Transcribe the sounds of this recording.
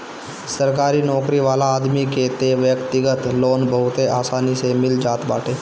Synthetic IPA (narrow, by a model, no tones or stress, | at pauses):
səɾkaɾiːnɔkɾiːʋalaːd̪miːket̪eʋjəkt̪iɡət̪lonbəɦut̪eʔasanisemild͡ʑat̪baʈʰe